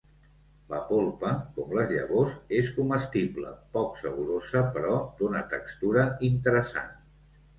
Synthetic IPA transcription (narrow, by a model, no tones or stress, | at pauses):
ləpolˠpəkɔmləzʎə̰βozeskuməst̪iblə̰pɔksəβuɾozəpəɾɔd̪unət̪əkst̪uɾəint̪əɾəsa̰n